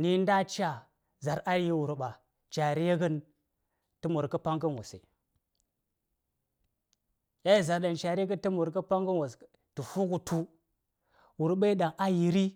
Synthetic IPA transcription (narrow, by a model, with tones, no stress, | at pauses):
ni˦n˦da˦t͡ʃa˦ | za˨ɾa˦ɾji˦wu˨ɾɓa˨ | t͡ʃa˨ɾi˦je˦ɡə˦n | tə˦mu˨ɾkə˦pa˦ŋɡə˦nwo˨sḛ˨ | ja˦ji˦˨za˨ɾɗa˨nt͡ʃa˨ɾi˦ɡə˦ntə˦mu˨ɾkə˦pa˦ŋɡə˦nwa˨s | tu˨fu˦ɡu˨tu˦ | wu˨ɾɓa˦i˦ɗa˨ŋa˦ji˨ɾi˦